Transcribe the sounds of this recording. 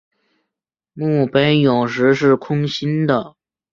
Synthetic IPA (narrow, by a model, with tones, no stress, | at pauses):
mu˥˩pe˥njʊ˨˩ŋʂ̬ɻ̩˧˥ʂ̬ɻ̩˥˩kʰʊ˥ŋɕi˥nd̪ə˨